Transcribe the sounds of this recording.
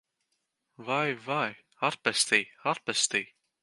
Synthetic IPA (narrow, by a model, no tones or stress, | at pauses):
vajvaj | aɾpɛst̪iːaɾpɛst̪ij